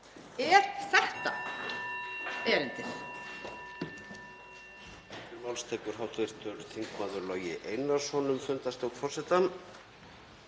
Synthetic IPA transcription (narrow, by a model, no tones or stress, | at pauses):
ɛːɾθɛht̪a | ɛːɾɪnt̪ɪɾ | ɛcɪvalst̪ʰɛːkʏɾ̥ɦawt̪vɪɾ̥t̪ʰʏɾθiŋkmaːðʏɾlœːɥjɪʔejnḁsɔːnʏmfʏnt̪ast̪owkfɔrsɛt̪an